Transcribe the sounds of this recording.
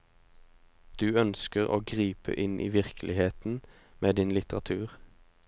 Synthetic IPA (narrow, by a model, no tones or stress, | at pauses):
d̪̥ʉːœnskəʁo̰ːɡʁiːpə̰ʔɪnʔḭːʋɪʁkʰlʔɪheːt̪n̩ | meːd̪ɪnlɪt̪əʁɑt̪ʰʉːʁ